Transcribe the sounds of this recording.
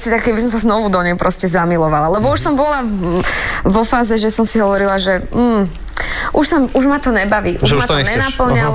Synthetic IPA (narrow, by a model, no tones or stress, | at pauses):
sit̪akkɛbisɔmsaznɔʋud̪ɔɲɛjpɾɔscɛzamilɔʋalalɛbɔuʃsɔmbɔla | ʋɔfaːzɛʒɛsɔmsiɦɔʋɔɾilaʒɛm̩ː | ʔuʃsauʒmat̪ɔɲɛbaʋiːʔuʒmat̪ɔɲɛnapl̩ɲa